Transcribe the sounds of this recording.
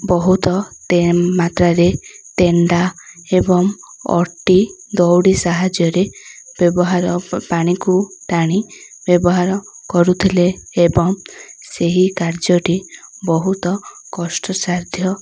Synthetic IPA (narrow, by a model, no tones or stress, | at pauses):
bɔɦut̪ɔt̪emat̪ɾaɾet̪eɳɖaebɔŋɔ̰ʈid̪ɔwɽisaɦad͡ʒjɔɾeb̥jɔbɔɦaɾɔpaɽ̃ikuʈaɽ̃ibjɔbɔɦaɾɔ | kɔɾut̪ʰileːbɔŋseɦikaɾd͡ʒɔʈibɔɦut̪ɔ | kɔsʈɔsaɾd̪ʱjɔ